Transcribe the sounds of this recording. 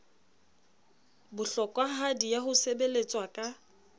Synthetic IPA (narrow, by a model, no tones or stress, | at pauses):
bʊɬɔkʼwaɦadijaɦʊsebelet͡sʼwakʼa